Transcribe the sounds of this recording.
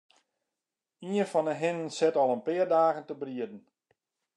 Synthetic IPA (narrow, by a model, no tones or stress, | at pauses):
iənfɔnəɦɪnənsɛtɔlˠənpɪərdaːɣəntəbriədn̩